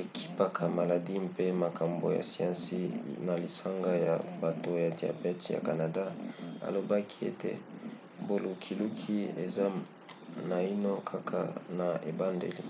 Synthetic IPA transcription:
e˨kʰi̥˦pa˨kʰa˨ma˨la˨di˦mpe˦ma˨kʰa˨mbo̰˨ja̰˨si˨ã˦nsi˦na˨li˨sa˦ŋɡa˦ja̰˨ba˨to˨ja˨dja̰˨pɛ˦tja̰˨ka˨na˨da˦a̰˨lo˨ba˦kʰi˦ḛ˦tḛ˦ | bo˨lu˨kʰi˨lu˦kʰi˦e˨za˦ | na˨i˦no˦kʰa˦kʰa̰˨na˨e˨ba˦ndḛ˨li˦

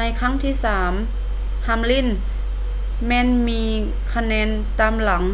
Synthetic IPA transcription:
na˧jkʰa˥˨ŋt̪ʰiː˧˥˨saː˩˦m | ha˧˥˩mli˧˥˩n | mɛː˧˥˨nmiː˧ | kʰa˧nɛː˧˥n | t̪aː˧mla˩˦ŋ

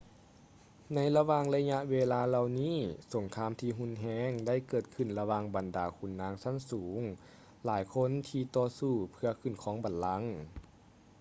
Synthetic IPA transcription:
na˧˥jla˧waː˧˨ŋla˧ɲa˧ʔweː˧laː˧la˧wniː˥˨so˨˩˦ŋkʰaː˧˥˨mt̪ʰiː˧ɦu˧˥˨nɦɛː˧˥ŋda˥˩jkɤː˨˩t̪̚kʰɯ˧˩nla˧waː˧˨ŋba˨˩ndaː˨˩kʰu˧˩nːaː˧˥ŋsa˧˥˨nsuː˩˦ŋ | laː˨˩˦jkʰo˧˥˨nt̪ʰiː˧t̪ɔː˧suː˧˩pʰɯ˧ɐkʰɯ˧˩˨nkʰɔː˨˦ŋba˨˩nla˧˥ŋ

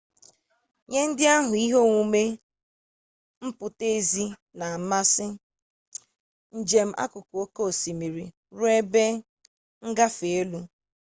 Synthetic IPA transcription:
ɲe˦n̩˦dɪ˦a˦ɦʊ˨i˦ɦo˦ŋʷu˦me˦ | m̩˦pʊ˨te˦zi˦ | na˨ma˦sɪ˦ | n̩˨d͡ʒe˨m̩˦ʔa̰˦kʊ˨ko˦ko˦o˨si˨mi˨ɾi˨ | ɾʊ˦e˦be˦ | ŋ̩˦ɡa˦fe˨e˦lu˦

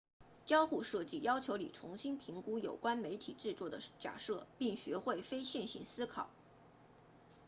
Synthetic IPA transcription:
t͡ɕjɑ˥ʊxu˥˧ʂɤ˥˧t͡ɕi˥˩jɑ˥ʊt͡ɕʰjo˧˥ʊli˨˩ʈ͡ʂʰʊ˧˥ŋɕi˥npʰi˧˥ŋku˥jo˨˩ʊkwa˥nme˧˥ɪt̪ʰḭ˨˩ʈ͡ʂɻ̩˥˧t͡swɔ˥˩d̪ə˩t͡ɕja̰˨˩ʂɤ˥˧pi˥˩ŋɕɥɛ˧˥xwe˥˩ɪfe˥ɪɕjɛ˥˩nɕḭ˧˥nsɹ̩˥kʰɑ˨˩˦

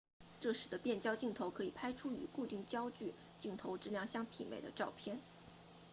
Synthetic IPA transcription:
ʈ͡ʂɤ˥˩ʂɻ̩˨˥˩d̪ə˦pjɛ˥˩nt͡ɕjɑ˥ʊt͡ɕi˥˩ŋt̪ʰo˧˥ʊkʰɤ˧˥i˨˩pʰa˥ɪʈ͡ʂʰu˥y̰˨˩ku˥˧t̪i˥˩ŋt͡ɕjɑ˥ʊt͡ɕy˥˧ | t͡ɕi˥˩ŋt̪ʰo˧˥ʊʈ͡ʂɻ̩˥ljɑ˥˧ŋɕjɑ˥˧ŋp̪ʰḭ˨˩mḛ˨˩ɪd̪ə̰˦ʈ͡ʂɑ˥˧ʊpʰjɛ˥˩n

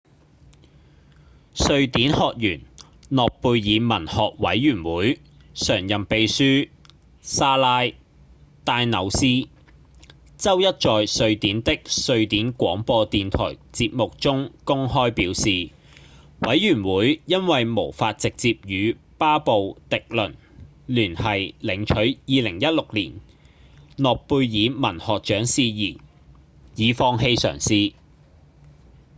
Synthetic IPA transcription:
sɵ˧ɥt̪iː˨˥nhɔː˨k̚jyː˨˩n | lɔː˨k̚puː˧jjiː˨˧mɐ˨˩nhɔː˨k̚wɐ̰˨˥jːyː˨˩nwuː˨˥j | sœː˨˩ŋjɐ˨mpe˧jsyː˥ | saː˥laː˥j | t̪aː˧jnɐ˨˧wsiː˥ | t͡sɐ˥wjɐ˥t̚t͡ʃɔː˨jsɵ˧ɥt̪iː˨˥nt̪ɪ˥k̚sɵ˧ɥt̪iː˨˥nkʷɔː˨˥ŋpɔː˧t̪iː˨nt̪ʰɔ̰ː˨˩jt͡siː˧p̚mʊ˨k̚t͡sʊ˥ŋkʊ˥ŋhɔː˥jpiː˨˥wsiː˨ | wɐ˨˥jjyː˨˩nwuː˨˥jjɐ˥nwɐ˨jmo˨˩wfaː˧t̚t͡sɪ˨k̚t͡siː˧p̚jyː˨˧ | paː˥po˨wt̪ɪ˨k̚lɵ˨˩n | lyː˨˩nhɐ˨jlɪ˨˩ŋt͡ʃʰɵ˨˥ɥjiː˨˧lɪ˨˩ŋjɐ˥t̚lʊ˨k̚lḭː˨˩n | lɔː˨k̚puː˧jjiː˨˧mɐ˨˩nhɔː˨k̚t͡ʃœː˨˥ŋsiː˧jiː˨˩ | jiː˨˧fɔː˧ŋɦe˧jsœ̰ː˨˩ŋsiː˨˧

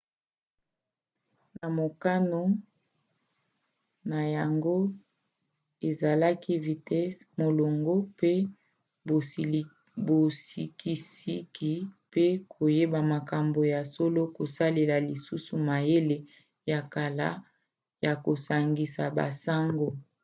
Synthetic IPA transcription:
na˨mo˨ka˦no˦ | na˨ja˨ŋɡo˦ | e˨za˨la˦ki˦vi˨tɛ˦smo˨lo˨ŋɡo˦pe˦˨ | bo˨si˨ki˨si˦ki˨pe˦kʰo˨je˦ba˨ma˨ka˨mbo˨ja˨so˦lo˦ko˨sa˦le˨la˨li˨su˦su˨ma˨je˦le˨ | ja˨ka˨la̰˦ | ja˨ko˨sa˨ŋɡi˨sa˨ba̰˨sa˦ŋɡo˦

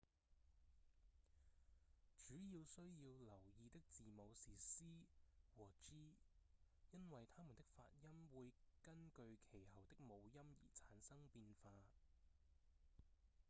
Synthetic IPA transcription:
t͡ʃyː˨˥jiː˧wsɵ˥ɥjiː˧wlɐ˨˩wjiː˧t̪ɪ˥k̚t͡siː˨mo˨˧wsiː˨˩siː˥wɔː˨˩t͡ʃiː˥ | jɐ˥nwɐ˨jt̪ʰaː˥mu˨˩nt̪ɪ˥k̚fa̰ː˧t̚jɐ˥mwuː˨˧jkɐ˥nkɵ˧ɥkʰe˨˩jhɐ˨˩wt̪ɪ˥k̚mo˨˧wjɐ˥mjḭː˨˩t͡sʰaː˨˥nsɐ˥ŋpiː˧nfaː˧

